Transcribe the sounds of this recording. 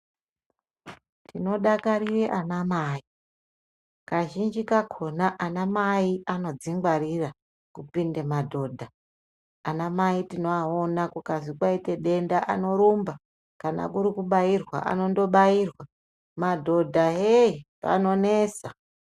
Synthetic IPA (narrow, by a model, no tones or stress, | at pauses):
tino̞ɗakaɾireʔanamaːi | kaʒind͡ʒikakʰo̞naʔanamaiʔano̞d͡ziŋɡwaɾira | kupindemadʱo̞ːdʱaː | namaitino̞aonakukazikwaite̞ɗe̞ndaʔa̰no̞ɾumba | kana̰kuɾikuɓairwa̰ʔa̰no̞ndo̞ɓairwa | madʱo̞dʱaɦeipa̰no̞nesa